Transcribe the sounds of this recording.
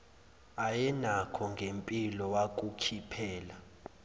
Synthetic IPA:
ajɛnakʰɔŋɡʱempʼilɔwak̬ʼukʰipʰɛːla

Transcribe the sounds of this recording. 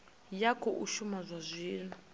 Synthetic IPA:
jakʰɔʔuʃumazʷazʷiːna

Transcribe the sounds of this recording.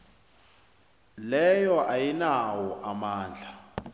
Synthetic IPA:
lɛjɔʔajinawɔʔamaːnd͡ɮʱa

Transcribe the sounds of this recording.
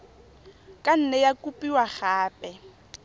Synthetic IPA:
kʼan̩nɛjakʼupʼiwaχaːpʼɛ

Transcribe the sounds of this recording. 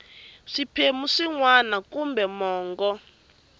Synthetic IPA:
ʂipʰemuʂiŋwanakumbɛmɔːŋɡɔ

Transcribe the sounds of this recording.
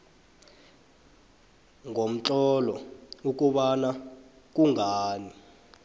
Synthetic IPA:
ŋʱom̩t͡ɬɔlɔuk̬ʼuɓana | k̬uŋʱaːni

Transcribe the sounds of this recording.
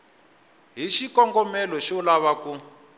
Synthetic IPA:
ɦiʃikɔŋɡɔmɛlɔʃɔlaβaku

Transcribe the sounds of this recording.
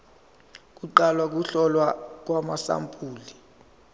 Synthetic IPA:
k̬uǃalwak̬uɬɔlwak̬wamasa̰mpʼuːli

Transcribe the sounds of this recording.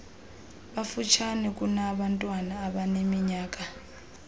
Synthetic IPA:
ɓafut͡ʃʰanɛk̬ʼunaɓantʼwanaːɓanemiɲaːk̬ʼa

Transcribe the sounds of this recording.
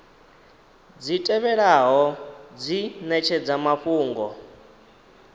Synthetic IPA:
d͡zitʼɛβɛɺaɦɔd͡zinɛt͡ʃʰɛd͡zamaɸuːŋɡɔ

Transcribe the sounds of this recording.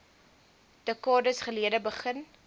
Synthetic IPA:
d̥əkɑːdəsχəliədəbəχən

